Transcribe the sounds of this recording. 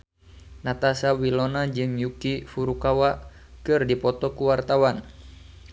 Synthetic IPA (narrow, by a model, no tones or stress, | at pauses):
nat̪asawilɔnad͡ʒɨŋjukifuɾukawa | kɨrdipɔt̪ɔkuwart̪awan